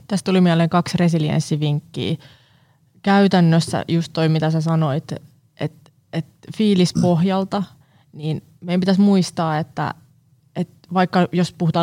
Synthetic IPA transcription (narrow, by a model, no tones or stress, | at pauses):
t̪æst̪t̪ulimiæleːŋkɑksresiliḛnsːiʋiŋkːḭː | kæyt̪ænːøsːæ̰just̪toimit̪æsæsɑnoit̪ | ʔet̪ | et̪fiːlispohjɑlt̪ɑ | niːn | mejæmpit̪æsmuist̪ɑːet̪ːæ̰ | et̪ʋɑikːɑjospuhut̪ɑː